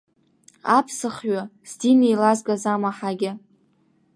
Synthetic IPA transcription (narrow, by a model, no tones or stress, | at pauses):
a̰pʰsɨχɥaz̥dinejlazɡazamaħaɡʲɪ